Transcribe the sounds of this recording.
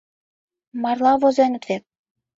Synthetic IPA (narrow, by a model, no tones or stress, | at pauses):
mɑrlɑβozenə̆t̪vek̚